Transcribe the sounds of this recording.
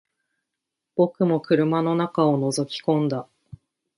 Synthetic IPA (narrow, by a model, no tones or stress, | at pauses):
b̥o̞kɯ̟mo̞kɯ̟ɾɯ̟mano̞nakao̞no̞zo̞kʲi̥kõ̞nd̪a